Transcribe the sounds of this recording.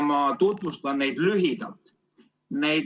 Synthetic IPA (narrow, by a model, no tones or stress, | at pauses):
mɑt̪ut̪vust̪ɑnːejd̪̥lyɦid̪̥ɑ̰lt̪ | nej̪